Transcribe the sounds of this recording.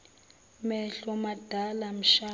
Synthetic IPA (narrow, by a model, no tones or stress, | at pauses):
mɛɬɔmad̥ʱalam̩ʃaː